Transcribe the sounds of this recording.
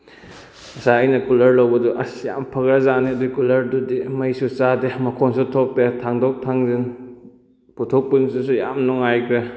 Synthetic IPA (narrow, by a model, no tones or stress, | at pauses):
ɐsaːjnɐkulɐɾlawbɐduʔɐsja̰mpʰɐɡɾazanidukulɐɾdudimɐjsut͡ʃademɐkʰɔnsutʰɔpːetʰaŋdɔk̚tʰaŋzin | putʰɔk̚pinsusuja̰mnɔŋajkʰɾe